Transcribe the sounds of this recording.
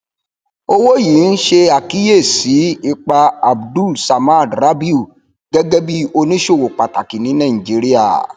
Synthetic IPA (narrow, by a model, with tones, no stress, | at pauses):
o˧wo˦ji˨˦n̩˦ʃe˧a˨ki˦je˦˨si˨˦i˧k͡pa˧a˨bdu˦˨lsa˨ma˦˨dɾa˦bi˦u˨ | ɡɛ˦ɡɛ˦bi˦o˧nĩ˦ʃo˦˨wo˨k͡pa˨ta˨ki˨nĩ˨˦nã˦˨d͡ʒi˨˦ɾi˦a̰˦˨